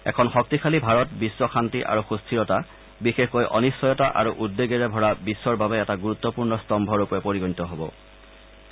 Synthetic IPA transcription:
ɛ̰kʰɔnxɔk̚tikʰalibʱaɹɔtbiswɔkʰantiʔa̰ɹuxustʰiɹɔta | bixexkojʔɔ̰nisːɔjɔtaʔa̰ɹuʔudːeɡeɹɛbʱɔɹabisːɔɹbabɛɛtaɡuɹut̪ːɔpuɹnɔstɔmbʱɔɹupɹɛpoɹiɡonitɔɦobɔ̰

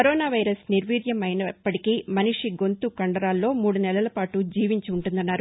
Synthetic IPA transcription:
kɐɾoːnaːʋɐjɾɐsniɾʋiːd̪jɐmɐjnɐpːɐʈikiːmɐniʂiɡo̞nt̪ukɐɳɖɐɾaːlːo̞ːmuːɽunɛlɐlɐpaːʈud͡ʒiːʋiɲt͡ʃiːɳʈund̪ɐnːaːɾu

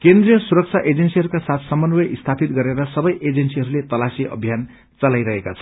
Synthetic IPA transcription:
kend̪rijʌsuɾʌk̚t͡sʰaʔed͡zensiɦʌɾukasat̪ʰsʌmʌnwʌʔist̪ʰapit̪ɡʌɾeɾʌsʌbʌjʔed͡zensiɦʌɾulet̪ʌlasiʔʌ̰bʱjan | t͡sʌlajɾʌɦekat͡sʰʌ̥

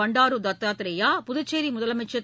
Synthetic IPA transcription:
ɐɳɖaːɾud̪ɐt̪ːaːt̪ɾɐjaːpʊðʊt͡ʃːeːɾimʊðɐlɐmɛt͡ʃɐt̪

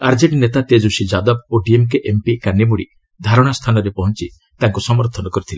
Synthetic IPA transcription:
aɾd͡ʒeʈinet̪at̪ed͡ʒusid͡ʒad̪ɔboɖiemk̬eʔempikanibuɽi | d̪ʱaɾɔɽ̃ast̪ʰanɔɾepɔɦɔnt͡ʃi | t̪aŋkusɔmɔɾt̪ʰɔnɔkɔɾit̪ʰile

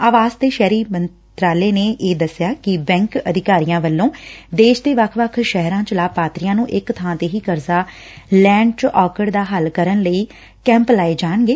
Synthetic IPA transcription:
aːʋaːzt̪eːʃɛːɾiːmən | t̪ɾaːleːneːʔeːd̪əsːɪjaːkɪbɛ̃ːŋkəd̪ʱɪkaːɾijãːʋəlːõːd̪eːʃd̪eːʋəkʰʋəkʰʃɛɦɾãːt͡ʃəlaːpaːt̪ɾijãːnũːʔɪkt̪ʰãːt̪eːɦiːkəɾzaː | lɛ̃ːɳɖt͡ʃʔɔːkəɽd̪aːɦəlkəɾənləiː | kɛ̃ːmplaːeːd͡ʒaːɳɡeː

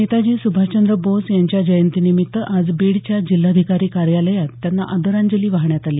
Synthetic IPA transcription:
et̪ad͡ʑiːsubʱat͡ɕənd̪ɾəbosjaɲt͡ɕjad͡ʑəjənt̪inimit̪ːəʔad͡zbeɽt͡ɕjad͡ʑilːad̪ʱikaɾiːkaɾjaləjat̪ːjanːa̰ʔəd̪əɾaɲd͡ʑəliːʋaɦɳjat̪aliː

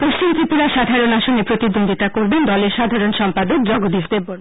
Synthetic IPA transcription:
poʃt͡ɕimt̪ɾipuɾaʃad̪ʱaɾonaʃonepɾot̪id̪ond̪ʱit̪akoɾbend̪ɔleɾʃad̪ʱaɾonʃɔmpad̪ok̚d͡ʑɔɡod̪ifd̪ebːon

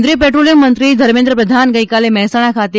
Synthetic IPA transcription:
d̪ɾipeʈɾolijəmːənt̪ɾid̪ʱəɾmẽnd̪ɾəpɾəd̪ʱanɡəjkalemɛɦsaɽ̃akʰat̪i

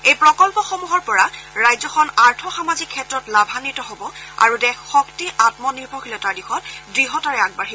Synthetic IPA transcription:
ejpɹɔkɔlpɔxomuɦɔɹpɔɹaɹajzɔxʰɔnaɹtʰɔxamazikʰːɛtɹɔtlabʱanitɔɦobɔa̰ɹudɛxxɔktiʔatmɔniɹbʱɔɦilɛtaɹdixɔtdɹiɦɔtaɹɛaɡ̚baɹɦi

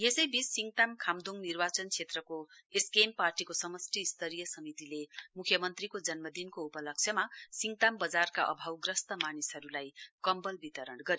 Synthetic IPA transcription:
jesʌjbisːiŋɡʈ̪amkʰamd̪uŋnirbat͡sʌnt͡sʰet̪rʌkoeskemparʈikosʌmʌsʈʰiist̪ʌɾijʌsʌmit̪ilemukʰjʌmʌnt̪rikod͡zʌnmʌd̪inkoupʌlʌk̚t͡sʰjʌmasiŋɡʈ̪ambʌd͡zarkaʔʌ̰bʱawɡrʌst̪ʌmanisɦʌɾulajkʌmbʌlbit̪ʌɾʌnɡʌɾi

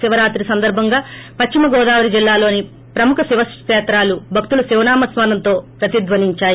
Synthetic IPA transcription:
siʋɐɾaːt̪ɾisɐnd̪ɐɾbʱɐŋɡaːpɐt͡ʃt͡ʃːimɐɡɔːd̪aːʋɐɾid͡ʒilːaːlo̞ːni | pɾɐmukʰɐsiʋɐst͡ʃɛːt̪ɾaːlubʱɐk̚t̪ulɐsiʋnaːmɐsʋaːnɐnt̪o̞ːpɾɐt̪id̪ʋɐniɲt͡ʃaːji

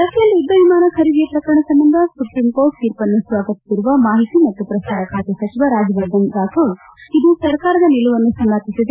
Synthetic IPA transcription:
d̪ɐkʰjɐlːiud̪ːɐʋimaːnɐkʰɐɾid̪ijɐpɾɐkɐɾɐɳɐsɐmbɐnd̪ʱɐspuʈɾimkoːt̪iːɾpɐnːusʋaːɡɐt̪isiɾuʋɐmaːɦit̪imɐt̪ːupɾɐsaːɾɐkʰaːt̪jɐsɐt͡ʃiʋɐɾaːd͡ʒɐʋɐd̪ʱɐnd̪aːkʰo | id̪usɐɾkaːɾɐd̪ɐniluʋɐnːusɐmlaːt̪isid̪e

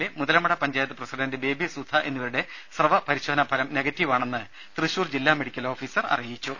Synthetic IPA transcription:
emuðɐlɐmɐɽɐpɐɲd͡ʑaːjɐt̪̬ːɨprɐsiɖɐndebe̞ːbʱisud̪ʱɐʔe̞nːiʋɐɾuɽe | srɐʋɐpɐɾiɕoːɐnɐpʰɐlɐmneɡɐtːjiʋaːɳe̞nːɨ | t̪rɨɕuːrd͡ʑilːaːme̞ɽikʲːɐlo̞ːfiːsɐrɐ̰rijit͡ɕːu

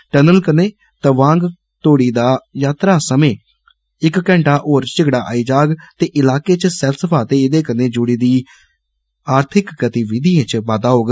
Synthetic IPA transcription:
ʈənəlkənẽː | t̪əʋãːŋɡ | t̪oːɽiːd̪aːjaːt̪ɾaːsəmẽː | ɪkːɛ̃ːɳʈaːʔoːɾt͡ʃɪɡɽaːʔaːiːd͡ʒaːɡt̪eːʔɪlaːkeːt͡ʃsɛlsəpʰaːt̪eːɪd̪eːkəneːd͡ʒʊɽiːd̪iː | aːɾt̪ʰɪkːət̪iːʋɪd̪iːẽt͡ʃʋaːd̪aːɦoːɡ

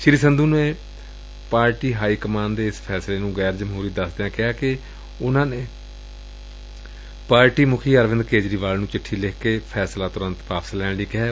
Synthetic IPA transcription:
ʃɪɾiːsənd̪uːneː | paːɾʈiːɦaːiːkəmaːnd̪eːɪspʰɛːsleːnũːɡɛːɾd͡ʒəmɦuːɾiːd̪əsd̪eãːkɪaːkɪ | ʊnãːneː | paːɾʈiːmʊkʰiːəɾʋɪ̃nd̪keːd͡ʒɾiːʋaːlnũːt͡ʃɪʈʰːiːlɪkʰkeːpʰɛːslaːt̪ʊɾə̃nt̪paːpslɛ̃ːɽ̃ɖiːkɪɦɛː

